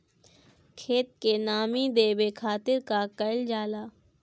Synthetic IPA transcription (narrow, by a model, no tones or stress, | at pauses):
kʰeːt̪̚kenaːmid̪eːbekʰaːt̪ɪɾkakɐɪld͡ʒaːlaː